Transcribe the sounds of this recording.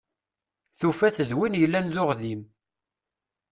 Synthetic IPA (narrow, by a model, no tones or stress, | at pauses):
θufæθəðwinjəlːænðʊʁðim